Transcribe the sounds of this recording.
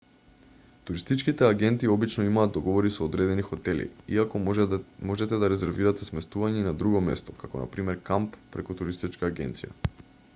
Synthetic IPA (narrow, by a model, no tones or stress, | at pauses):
t̪uɾist̪it͡ʃkit̪ɛaɡɛnt̪iːɔbit͡ʃnɔimaːd̪̚d̪ɔɡɔvɔɾisoːd̪ɾɛd̪ɛnixɔt̪ɛlḭḭakɔmɔʒɛt̪ɛd̪aɾɛzɛɾviɾat̪ɛsmɛst̪uvaɲɛnad̪ɾuɡɔmɛ̰st̪ɔ̥kakɔna̰pɾimɛɾkampːɾɛ̰kut̪uɾist̪it͡ʃkaːɡɛ̰nt̪sija̰